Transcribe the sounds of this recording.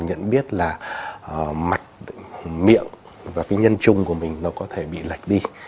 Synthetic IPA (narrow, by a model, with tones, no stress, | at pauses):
ɲə̰˧˨nɓi˦˥ət̚laː˨˩˨ | ma˨˩k̚mḭ˧˨əŋ | vaː˨˩kaː˨˦jɲə˧nt͡ɕʊ˨˧˩ŋ͡mku˧˩əmï˨˩ŋ̟nɔ˨˦kɔ˨˦t̪ʰe˧˩ɓḭ˧˨la˨˩jk̟̚ɗi˧